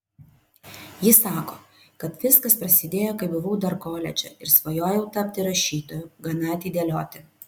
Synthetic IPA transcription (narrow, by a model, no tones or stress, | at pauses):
jɪsɑːkoː | kɐt̪ʋʲɪskɐspɾɐsʲɪd̪ʲeːjoːkɐɪbʊʋuːd̪ɐɾkoːlʲɛ̰d͡ʒʲɛ̰ɪɾsʋojoːjɛʊt̪ɐpʲt̪ʲɪɾɐʃʲiːt̪oːjʊɡɐnɐɐt̪ʲiːd̪ʲeːlʲoːt̪ʲɪ